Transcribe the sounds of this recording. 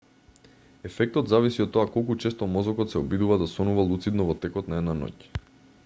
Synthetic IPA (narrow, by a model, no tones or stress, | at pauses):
ɛfɛk̚t̪ɔt̪zavisiɔt̪ːɔakɔlˠkut͡ʃɛst̪ɔmɔzɔkɔt̪sɛɔbid̪uvad̪asɔnuvalˠut̪sid̪nɔvɔt̪ɛkɔt̪naɛd̪nanɔ̰c